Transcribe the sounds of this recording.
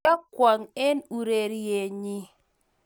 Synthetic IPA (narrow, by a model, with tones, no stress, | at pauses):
a˦kwa˨ŋɛ˦nu˨ɾe˨ɾi˦e˨ɲi˦